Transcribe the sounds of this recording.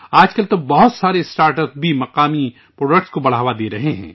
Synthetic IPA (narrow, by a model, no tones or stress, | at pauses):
aːd͡ʒkɐlt̪obɐɦʊt̪saːɾesʈaːɾʈəpsbʱimɐqaːmi | pɾoːɖək̚ʈskobɐɽ̤aːʋad̪eːɾɐɦeɦɛ̰̃ː